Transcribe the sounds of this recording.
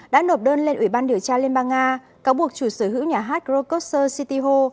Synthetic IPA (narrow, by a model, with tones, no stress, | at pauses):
ɗa̰ː˧˥no˨˩p̚ɗəː˧nle˧nʔwi˧˩ɓaː˧nɗi˨˩əwt͡ɕaː˧li˧ənɓaː˧ŋʔaː˧ | kaː˨˦wɓu˨˩ək̚t͡ɕu˧˩səː˧˩ɦɨ̰˧˥wɲaː˨˩ɦaː˦˥t̚zo˧ko˦˥t̚səː˧si˧t̪i˧ɦo˧